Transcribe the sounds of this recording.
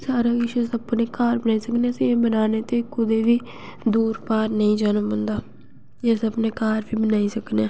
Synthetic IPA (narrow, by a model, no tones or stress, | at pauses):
saːɾaːɡɪʃesəpneːkaːɾbənaːiːsəkneːseẽːbənaːneːt̪eːkʊd̪eːʋiː | d̪uːɾpaːɾnəĩːd͡ʒaːnəmbə̃nd̪aː | eːsəpneːkaːɾʋiːbənaːiːsəkneː